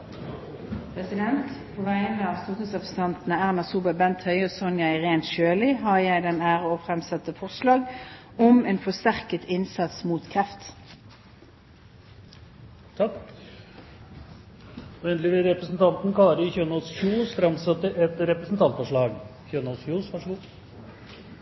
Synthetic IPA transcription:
pʰʁɛsɪd̪ɛnt̪pʰoːʋæɪənəɑːʋst̪uːt̪əsɑfst̪ɑnt̪nəæːʁmɑsuːbɑbɛnt̪ʰhœʏɔsɔnjæɪʁeːnt̪ʃøːlɪɦɑɾjæɪd̪ɛnæːʁəɔːfʁɛmsɑt̪ːəfɔʁslɑːɡ | ɔmeːnfɔst̪æʁkət̪ʰɪnsɑt̪smuːt̪kʰʁɛft̪ | t̪ʰ | ɛnd̪lɪʋɪɾɛpɾəsn̩t̪ʰɑnt̪n̩kʰɑːɾəɪçøːnəɔsçuːst̪ɾɑmsɑt̪ːəʔɛt̪ɾɛpɾəsn̩t̪ʰɑnt̪fɔʂɭɑːɡçøːnəɔsçuːsʋɑʂəɡuː

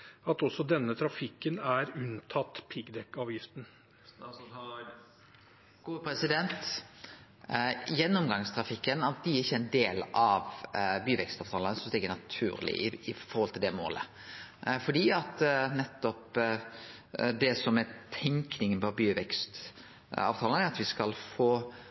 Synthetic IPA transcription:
ɑt̪ɔsːɔd̪ɛnːət̪ʰɾɑfɪkːənæɾʉnt̪ʰɑt̪ːpʰɪɡd̪ɛkɑːʋjɪft̪n̩ | ɡ̥uːpɾɛsɪd̪ɛnt̪ | jɛnːɔmɡɑŋst̪ʰɾɑfɪkːənɑt̪̚d̪ɪjəɾɪçːəæɪnd̪eːlɑʋbyːʋɛkst̪ɑːʋt̪ʰɑːlənəsɔmst̪iːɡənɑt̪ʰʉːɾlɪ̰ɪɪfɔɾhɔlt̪ʰɪld̪ɛmo̰ːlə̰ | fɔɖiːɑt̪nɛt̪ːɔp | d̪ɛsɔmɛt̪ʰɛŋknɪŋənbɔbyːʋɛkst̪ | ɑ̰ːʋt̪ʰɑːlənæɾɑt̪ʋɪskɑlfoː

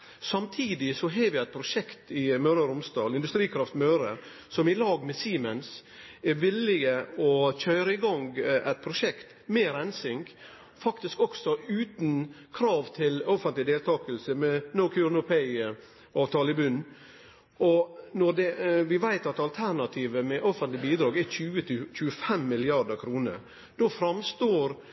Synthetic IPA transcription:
sɑmt̪ʰiːd̪ɪsɔɦeːʋɪæɪt̪̚pʰɾʊʂɛkt̪ɪmœɾəɾʊmsd̪ɑːlɪnd̪ʉst̪ɾiːkʰɾɑft̪mœːɾə | sɔmɪlɑːɡmɛsiːməns | ɛɾʋɪlɪɡəɔçœːɾəɪɡɔŋɡʔæɪt̪̚pʰɾʊʂɛkt̪ | meːɾɛnsɪŋɡ | fɑkt̪ɪskɔksɔʉːt̪n | kʰɾɑːʋt̪ʰɪlɔfənt̪lɪd̪eːlt̪ʰɑːkəlsəmɛnoʊkʰʉnʊpʰæɪ | ɑːʋt̪ʰɑːləɪbʉnː | ɔnɔɖ̪ɛʋɪʋæɪt̪ɑt̪ɑlt̪ʰæɾnɑt̪ʰiːʋəmɛʔɔfənt̪lɪbiːd̪ɾɑːɡɛçʉːət̪c͡çʉːəfɛmːɪlɪɑɖəɾkʰɾuːnə̰ɾ | d̪̥ofɾɑmst̪oːɾ

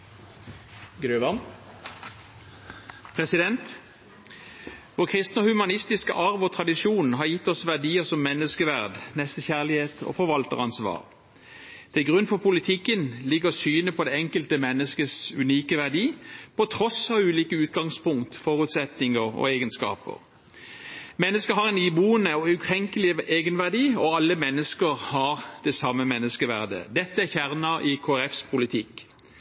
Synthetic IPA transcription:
ɡɾøːʋɑn | pʰʁɛsɪd̪ɛnt̪ | ʋoːʁkʰʁɪst̪nɔhʉmɑnɪst̪ɪskə̰ʔɑʁʋɔt̪ʰʁɑd̪ɪʂjuːnn̩ɦɑʁjɪt̪ːɔsʋæʁd̪iːəsɔmːɛnːəskəʋæʁd̪nɛst̪əçæʁlɪheːt̪ʰɔ̰ːfɔʁʋɑlt̪ə̰ʁɑnsʋɑ̰ːʁ | t̪ʰɪlɡʁʉnːfɔpʰʊlɪt̪ʰɪkːənlɪɡəʁɔsyːnəpʰɔd̪ɛɛŋkəlt̪əmɛnːəskəsʉniːkəʋæʁd̪iːpʰɔt̪ʰʁɔsɑʋʉːliːkəʉːt̪ɡɑŋspʊŋkt̪fɔʁʉt̪sɛt̪nɪŋəʁɔ̰eːɡənskɑ̰ːpə̰ʁ | mɛnːəskəɦɑʁɛɪnɪbuːənəɔʉkʰʁɛŋkəlɪeːɡənʋæʁd̪iːɔɑlːəmɛnːəskəʁhɑʁd̪̥ɛsɑmːəmɛnːəskəʋæʁd̪ə̰d̪ɛt̪ːəæçæʁnɑʔɪkʰoːæʁɛfspʰʊlɪt̪ʰɪk

